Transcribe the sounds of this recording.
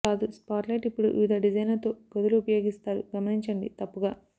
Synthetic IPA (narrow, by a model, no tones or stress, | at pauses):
aːd̪uspaːʈlɐjʈipːuɽuʔiːd̪ɐɖid͡ʒɐjnlɐt̪oːɡod̪uluːpɐjo̞ːɡist̪aːɾṵɡɐmɐniɲt͡ʃɐɳɖḭt̪ɐpːuɡaː